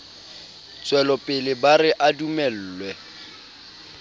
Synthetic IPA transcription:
t͡sʼwɛlɔpʼɪlɪbarɪʔadumɛl̩ːlwɛ

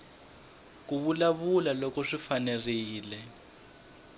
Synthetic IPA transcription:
k̬uβulaβulalɔkɔʂifaneriːlɛ

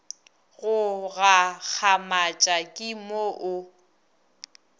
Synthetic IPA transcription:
ɣʊɣak͡xʰamat͡ʃʼakʼɪmoʔʊ

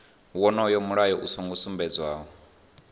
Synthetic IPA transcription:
wɔnɔjɔmuɺajɔʔusɔŋɡɔsumbɛd͡zwaːɦɔ

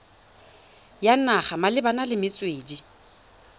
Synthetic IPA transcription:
janaχamalɪbanalɪmɪt͡sʼweːdi

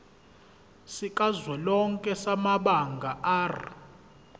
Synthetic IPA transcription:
sikʼazwɛlɔŋkʼɛsamaɓaŋɡʱaʔaːr

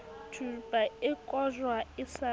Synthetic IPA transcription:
dʰʱubʼaɪkʼɔʒwaɪsa

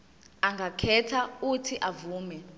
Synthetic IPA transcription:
aŋɡʱakʰɛtʰautʰiʔavuːmɛ

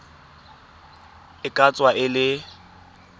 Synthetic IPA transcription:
ɪkʼat͡sʼwaʔɪlɪ

